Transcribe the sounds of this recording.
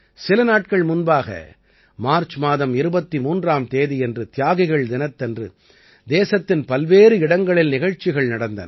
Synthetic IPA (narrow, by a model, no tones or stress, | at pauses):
sɪlɐnaːʈ̚kɐɭmʊnbaːɣɐ̰ | maːɾt͡ʃmaːðɐmɪɾɯbɐt̪ːimuːndraːmt̪eːðiɛndrɯt̪ɪjaːɣɪɣɐɭd̪ɪnɐt̪ːɛndrɯ̰ | d̪eːsɐt̪ːɪnpɐlʋeːɾɯɪɽɐŋɡɐɭɪlnɪɣɐɻt͡ʃːɪɣɐɭnɐɽɐnd̪ɐnɐ